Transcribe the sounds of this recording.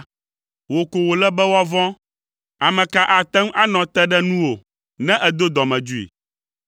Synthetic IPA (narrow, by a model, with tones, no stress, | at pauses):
wo˨ko˨wo˨lɛ˦bɛ˦wɔ˦vɔ̃˦ | a˨mɛ̃˨ka˨ʔa˨t̪ɛ˦m˦a˦nɔ̃˨t̪ɛ˦ɖɛ˦nũ˦wo˨ | nɛ̃˦ʔɛ˦d̪o˦d̪ɔ˨mɛ̃˨d͡ʒu˦ḭ˨